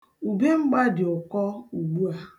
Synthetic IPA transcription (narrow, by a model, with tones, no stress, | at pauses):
u˨be˦ŋ͡m̩˦ɡ͡ba˦dɪ˨ʊ˨kɔ˦u˨ɡ͡bu˦a˦